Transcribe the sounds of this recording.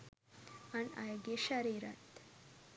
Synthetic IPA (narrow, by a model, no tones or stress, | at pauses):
ana̰jɡeɕaɾiɾat̪